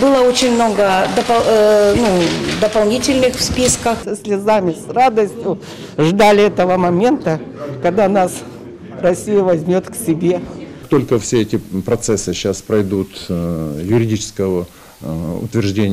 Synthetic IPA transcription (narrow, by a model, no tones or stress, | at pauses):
bɨlˠəot͡ɕɪnʲmnoɡəd̪əpɐnud̪əpɐlˠnʲitʲɪlʲnɨxfspʲiskəxsəsʲlʲɪzamʲɪsrad̪əsʲtʲjʊ | ʐd̪alʲɪɛt̪əvəmɐmʲe̞nt̪əkɐɡd̪anas | rɐsʲijəvɐzʲmʲot̪ksʲɪbʲe̞t̪o̞lʲkəfsʲeɛtʲɪpɾɐt̪sɛsːɨɕːaspɾɐjd̪ut̪ | jʊɾʲɪdʲit͡ɕɪ̥skəvə | ʊ̰t̪vʲɪrʐdʲenʲ